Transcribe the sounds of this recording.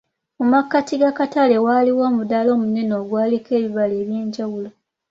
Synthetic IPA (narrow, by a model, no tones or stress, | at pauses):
mumakːatiɡakatale̞waliwo̞ːmudalo̞ːmune̞no̞ːɡwaːlike̞ːβiβale̞ːβjeːɲɟawulo